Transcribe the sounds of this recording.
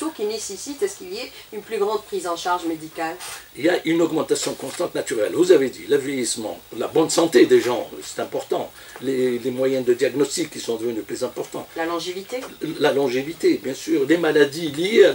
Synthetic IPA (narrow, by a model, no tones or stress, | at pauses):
okʲinesesit̪asə̥kilie | ynplyɡʁɑ̃d̪̚pχizɑ̃ʃaʁʒmed̪ikaliljaʔynɔɡmɑ̃t̪asjɔ̃kɔ̃st̪ɑ̃t̪nat̪yʁɛ̰lvuzaved̪ḭləvjejismɑ̰̃labɔnsɑ̃t̪ed̪eʒɑ̃sɛ̥t̪ɛ̃pɔʁt̪ɑ̰̃ | lelemwajɛ̃nd̪əd̪jaɡnɔst̪ikːisɔ̃d̪əvənyplyzɛ̃pɔʁt̪ɑ̰̃lalɔ̃ʒevit̪elalɔ̃ʒevit̪ebjɛ̃syːʁlemalad̪ilijea